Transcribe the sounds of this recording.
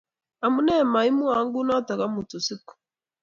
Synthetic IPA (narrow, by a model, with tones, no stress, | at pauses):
a˨mu˦nɛ˦˨ma˨i˦mu˦a˨˦ŋɡu˦na˦ta˨ka˦mu˨tu˨si˦ku̥˨